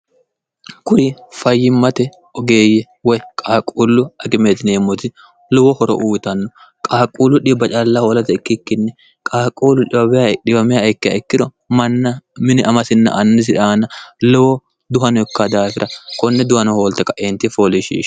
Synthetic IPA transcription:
kʊɾɪfɐjːɪmːɐt̪ɛ | ʔɔɡeːjɛ | wɔjkʼaːkʼːuːlːʊɐɡɪmeːt̪ɪneːmːɔt̪ɪ | lɔwɔhɔɾɔ̰ʔuːt̪ɐnːɔ | kʼaːkʼuːlʊᶑɪbɐt͡ʃʼɐlːɐholɐt̪ɐɪkːɪkːɪnːɛ | kʼaːkʼːuːlʊᶑɪbɐbɪjaᶑɪbɐmɪjaɪkːɪjɐ̰ɪkːɪd̪ɔ | mɐnːɐmɪnɪʔɐmɐsɪnːɐ̰ʔɐnːɪs̬ɪᶑaːnɐlɔwɔ | d̪ʊɦɐnɔkːad̪aːfɪɾʔɐkɔnːɛd̪ʊhɐnɔhoːlt̪ɐkʼɐʔeːnt̪ːɪfolɪʃḭːʃ

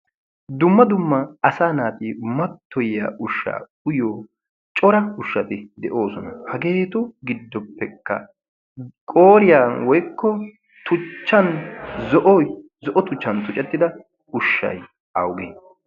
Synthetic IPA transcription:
d̪ʊmːɐd̪ʊmːɐɐsaːnaːt̪imɐt̪ːɔjja̰ːʔʊʃːa̰ː | ʊjoː | t͡ʃʼɔɾɐʊʃːɐt̪ɪd̪ɛʔo̞ːsɔnɐhɐɡe̞ːt̪ʊɡɪd̪ːɔpːɛkːɐ̰ | kʼoːɾɪjanwɔjkːɔ | t̪ʊt͡ʃːɐnzɔʔɔj | zɔʔɔt̪ʊt͡ʃːɐnt̪ʊt͡ʃʼɛt̪ːɪd̪ɐ | ʊʃːɐ̰j | ɐwɡḛː

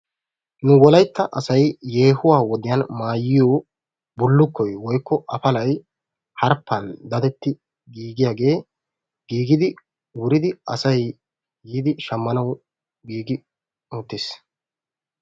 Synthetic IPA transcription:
nʊwɔlɐjt̪ːɐʔɐsɐjːe̞ːhʊwaːwɔd̪ɪjanmaːjːɪjoː | bʊlːʊkːɔjwɔjkːɔʔɐfɐlɐj | hɐɾpːɐnd̪ɐd̪ɛt̪ːɪ | ɡiːɡɪjaːɡe̞ː | ɡ̥iːɡɪd̪ɪ | wʊɾɪd̪ɪɐ̰sɐj | jiːd̪ɪʃɐmːɐnɐw | ɡiːɡɪ | ut̪ːɪs

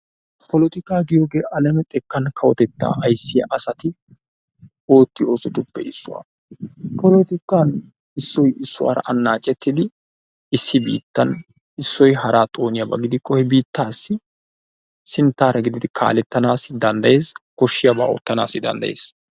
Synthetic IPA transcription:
pɔlɔt̪ɪkaːɡɪjoːɡe̞ːʔɐlɛmɛt̪ʼɛkːɐnkʰɐwɔt̪ɛt̪ːa̰ːɐjsːɪjɐʔɐsɐt̪ɪ | o̞ːt̪ːɪo̞ːsɔd̪ʊbːɛ̰ʔɪsːʊwa̰ː | pʰɔlɔt̪ɪkːan | ɪsːɔjɪsːʊwa̰ːɾɐ̰ʔɐnːaːt͡ʃʼːɛt̪ːɪd̪ɪ | ɪsːɪbḭːt̪ːɐn | ɪsːɔjhɐɾaːt̪ʼo̞ːnɪjɐbɐ̰ɡɪd̪ɪkːɔhɛbiːt̪ːaːsːɪ | sɪnt̪ːaːɾɐɡɪd̪ɪd̪ɪkʰa̰ːlɛt̪ːɐnaːsɪd̪ɐnd̪ɐje̞ːskɔʃːɪjɐba̰ːo̰ːt̪ːɐna̰ːsːɪd̪ɐ̰nd̪ɐ̰jḛːs

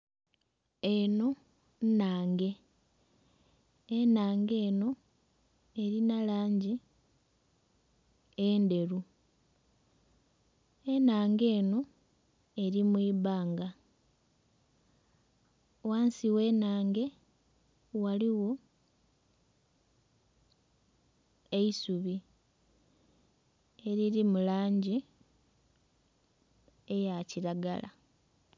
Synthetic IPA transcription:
eno̞ | naːŋɡe̞ | enaːŋɡe̞ːno̞ | e̞ɾinalaːɲɟi | ende̞ɾu | enaːŋɡe̞ːno̞ | e̞ɾimwiːβaːŋɡa | waːnsiwe̞ːnaːŋɡe̞ | waliwo̞ | e̞isuβi | eɾiɾimulaːɲɟi | ejaciɾaɡa̰la̰

